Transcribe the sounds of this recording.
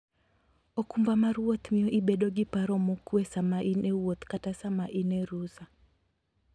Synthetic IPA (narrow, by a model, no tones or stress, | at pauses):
ɔkumbamaɾuwɔt̪miɔʔiɓɛɗɔɡipaɾɔmɔkwesamaʔinʔɛwɔt̪katasamaʔinɛɾusa